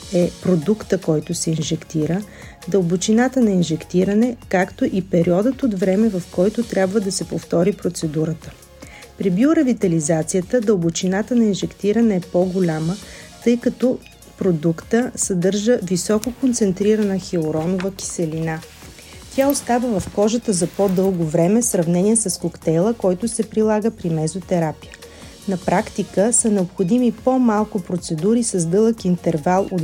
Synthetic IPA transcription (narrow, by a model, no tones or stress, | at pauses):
ɛpɾod̪ukt̪əkɔjt̪ʊsɛinʒɛkt̪iɾə | d̪əlˠbot͡ʃinat̪ənɐinʒɛkt̪iɾɐnɛkakt̪oʔipɛɾiɔd̪ət̪od̪vɾɛmɛvɐfkɔjt̪ʊt̪ɾʲjabvəd̪ɐsɛpoft̪ɔɾipɾot̪sɛd̪uɾət̪ə̥ | pɾibiʊɾɐvit̪ɐlizat̪sijət̪əd̪əlˠbot͡ʃinat̪ənɐinʒɛkt̪iɾɐnɛːpɔɡolʲamət̪ɤjkɐt̪ɔ | pɾod̪ukt̪əsɐd̪ɤɾʒəvisɔkokont̪sɛnt̪ɾiɾənəxioɾɔnovəkʲi̥sɛlina | t̪ʲaost̪avəvɐfkɔʒət̪əzɐpod̪ɤlˠɡovɾɛmɛsɾɐvnɛniɛsɐskokt̪ɛjlˠəkɔjt̪ʊsɛpɾilˠaɡəpɾimɛzot̪ɛɾapijə | nɐpɾakt̪ikəsənɛopxod̪imipomalˠkʊpɾot̪sɛd̪uɾisɐzd̪ɤlˠəkint̪ɛɾvalˠo